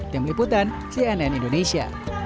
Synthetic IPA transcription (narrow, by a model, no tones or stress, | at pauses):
t̪ɪmliput̪an | siɛnɛnindonesia̰